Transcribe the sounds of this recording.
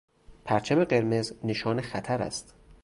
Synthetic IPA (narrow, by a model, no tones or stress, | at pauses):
pʰæɾt͡ʃʰæmeɢe̞ɾme̞zneʃɒːnexæt̪ʰæɾæ̰st̪